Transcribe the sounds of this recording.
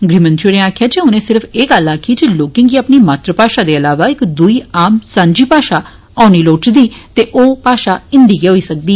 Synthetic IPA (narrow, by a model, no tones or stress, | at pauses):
ɡɾiːmə̃nt̪ʰiɽẽːaːkʰjaːd͡ʒeːʊnẽːsɪɾfʰeːɡəlaːkʰiːd͡ʒeloːkɪ̃ŋɡiːapniːmaːt̪ɾəpaːʃaːd̪eːəlaːʋaːɪkd̪uiːaːmsãːɲd͡ʒiːpaːʃaː | ãːʊñiːloːt͡ʃd̪iːt̪eːʔoːpaːʃaːɪnd̪iːɡeɦoːiːsək̚d̪iː